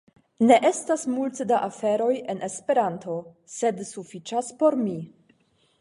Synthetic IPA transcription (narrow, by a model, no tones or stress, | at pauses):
ne̞ʔestasmultdaʔafe̞ɾo̞je̞nʔe̞spe̞ɾantʰo̞ | se̞dsufit͡ʃaspo̞ɾmi